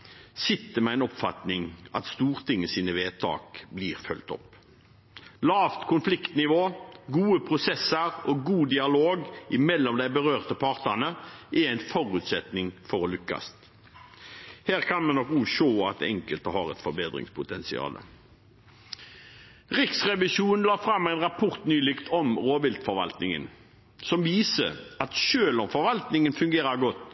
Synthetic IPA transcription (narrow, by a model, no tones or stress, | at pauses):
sɪt̪ːəmɛæɪnɔpfɑt̪nɪŋʔɑ̰t̪st̪uːʁt̪ʰɪŋːəsiːnəʋeːt̪ʰɑ̰ːkbliːʁfœlt̪ɔ̰pː | lɑːʋt̪kʰʊnflɪkt̪nɪʋoːɡuːəpʰʁʊsɛsːəɾɔɡuːd̪ɪɑloːɡʔɪmɛlːɔmd̪æɪbəʁøːʁt̪əpʰɑːʁt̪ənəʔɛɾæɪnfɔʁʉːt̪sɛt̪nɪŋfɔʁɔlʏkːɑ̰st̪ | hæːʁkʰɑnmɛnɔkʉʃoːɑt̪ɛŋkəlt̪əhɑːɾɛ̰t̪fɔɾbeːd̪ɾɪ̰ŋspʰʊt̪ʰɛnsɪ̰ɑ̰ːlə̰ | ʁɪksʁɛʋɪʃuːnn̩lɑːfɾɑmːæɪnʁɑpʰʊʁt̪nyːlɪkt̪ʰɔmʁoːʋɪlt̪fɔɾʋɑ̰lt̪nɪŋə̰n | sɔmʋiːsəɾɑt̪ʃøːlɔmfɔɾʋɑlt̪nɪŋənfʉŋɡeːɾəɾɡɔt̪ː